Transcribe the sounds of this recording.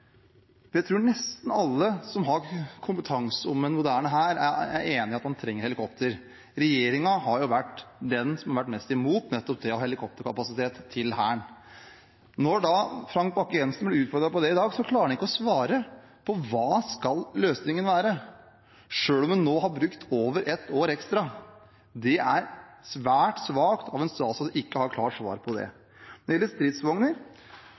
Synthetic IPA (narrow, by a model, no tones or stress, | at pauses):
fjæɪt̪ʰɾuːɳɛst̪n̩ɑlːəsɔmɦɑɾkʰʊmpət̪ʰɑŋsəʊmːənmʊd̪æːɳəɦæːɾææ̰eːnɪɑt̪hɑnt̪ʰɾɛŋːəɾhɛlɪkʰɔpt̪ʰəɾ | ɾɛjeːɾɪŋɑɦɑɾjʊʋæʈːd̪ɛnsɔmhɑɾʋæʈːmɛst̪ɪmuːt̪nɛt̪ːɔp̚d̪ɛɔhɛlɪkʰɔp̚t̪əɾkʰɑpɑsɪt̪ʰeːt̪ʰːɪlhæ̰ːɳ | nɔɖɑfɾɑŋk̚bɑkːɛnsnblɛʉːt̪fɔɾd̪ɾɑpʰɔd̪ɛɪd̪ɑːɡsɔkʰlɑːɾɛnɪkːəɔsʋɑːɾə | pʰɔʋɑːskɑlløːsnɪŋənʋæːɾə | ʂøːlɔmʉnːoːhɑɾbɾʉkt̪ʰoːʋəɾʔɛt̪ːoːɾɛkst̪ɾɑ | d̪ɛʔæɾsʋæːʈsʋɑːkt̪ʰɑʋɛnst̪ɑːsɔɪkːəhɑɾkʰlɑːʂʋɑ̰ːɾpʰɔd̪ɛ̰ | jɛlːəst̪ɾɪt̪sʋɔŋnəɾ